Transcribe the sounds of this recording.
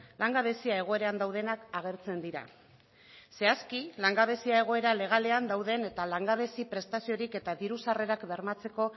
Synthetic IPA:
laŋɡaβe̞siae̞ɣ̞o̞e̞ɾeand̪awð̞e̞nakaɣ̞e̞ɾt͡se̞nd̪iɾa̰ | se̞askilaŋɡaβ̞e̞siae̞ɣ̞o̞e̞ɾale̞ɣ̞ale̞and̪awðe̞ne̞t̪alaŋɡaβ̞e̞sipɾe̞st̪asio̞ɾike̞t̪aðiɾusare̞ɾakbe̞ɾmat͡se̞ko̞

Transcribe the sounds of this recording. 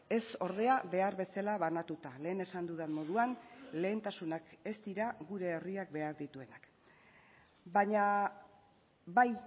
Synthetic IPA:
e̞so̞ɾðe̞aβe̞aɾβe̞salaβanat̪ut̪ale̞ːne̞sand̪uðanmo̞ð̞uanle̞ːnt̪asunake̞st̪iɾaɣuɾe̞ːriak̚be̞aɾðit̪ue̞nak | baɲa | baj

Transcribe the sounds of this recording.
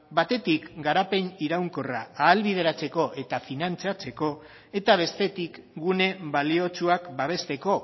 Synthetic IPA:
bat̪e̞t̪ikɡaɾape̞niɾawŋko̞raːlβiðe̞ɾat͡se̞ko̞ʔe̞t̪afinant͡siat͡se̞ko̞ | e̞t̪aβ̞e̞st̪e̞t̪ikɡune̞βalio̞t͡suakbaβ̞e̞st̪e̞ko̞

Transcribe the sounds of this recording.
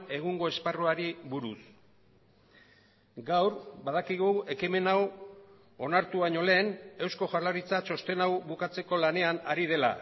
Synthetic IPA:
e̞ɣ̞uŋɡo̞e̞sparoaɾiβuɾus | ɡawɾbað̞akiɣ̞ue̞kime̞naw | o̞naɾt̪uβaɲo̞le̞ːne̞wsko̞ʝaɾlaɾit͡sat͡so̞st̪e̞nawβukat͡se̞ko̞lane̞anaɾið̞e̞la̰

